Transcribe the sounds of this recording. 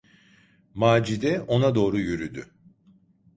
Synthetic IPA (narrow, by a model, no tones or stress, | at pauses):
maːd͡ʒid̪ɛo̞nad̪o̞ːɾujyɾyd̪y̰